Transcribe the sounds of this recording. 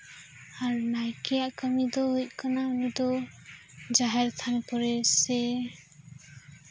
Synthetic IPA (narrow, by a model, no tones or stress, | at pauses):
aɾnajkɛjaʔkəmid̪ɔɦuj̚kanaunud̪ɔ | d͡ʒaɦɛɾt̪ʰanpɔɾɛsɛ